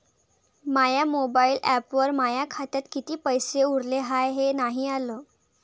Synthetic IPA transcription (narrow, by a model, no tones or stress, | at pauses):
majamobailæpʋəɾmajakʰat̪jat̪kit̪iːpəjseuɽleɦajɦenaɦialəː